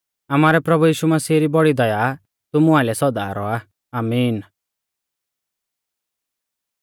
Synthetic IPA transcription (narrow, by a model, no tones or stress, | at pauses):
amaːɾɛpɾɐbujiːʃumɐsiːɾibɔɽid̪ɔja | t̪ʊmʊaɪlɛsɔd̪a̰ɾɔa | aːmiːn